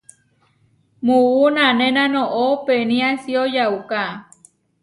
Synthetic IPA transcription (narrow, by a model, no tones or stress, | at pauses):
muunanẽnãnõʔopenĩasiojawka